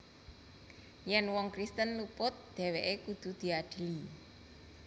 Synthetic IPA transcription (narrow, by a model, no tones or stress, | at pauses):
jɛnwɔŋkɾist̪ənlupʊt̪̚d̪̥e̤weʔekud̪̥ṳd̪̥i̤aɖ̪̥i̤li